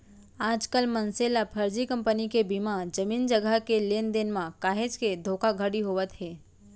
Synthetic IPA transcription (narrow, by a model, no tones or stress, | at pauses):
aːd͡ʒkəlmənselapʰəɾd͡ʒikə̃mpənikebimãd͡ʒəmiːnd͡ʒəɡəkeleːnd̪enmãkaːɦed͡ʒked̪ʱoːkaɡʱəɽiɦoʋət̪ɦeː